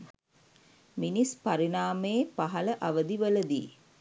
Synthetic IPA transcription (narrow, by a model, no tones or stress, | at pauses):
minispaɾinaːməːpaɦɐləʔɐʋəd̪iʋələd̪ḭː